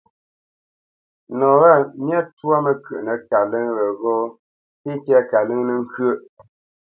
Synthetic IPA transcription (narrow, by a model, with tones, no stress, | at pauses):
nɔ̃˨wa˦˨mja˦twa˦mə˨kə˨ʔnə˨ka˨lə˦ŋɣə˨ɣɔː˦ | te˦tɛ˦ka˨lə˦ŋnə˨ŋ̩˦kɥə˦˨ʔ